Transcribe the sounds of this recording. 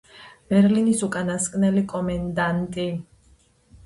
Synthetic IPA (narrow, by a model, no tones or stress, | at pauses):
b̥ɛɾlinisukʼanaskʼnɛlikʼɔmɛnd̪ant̪ʼi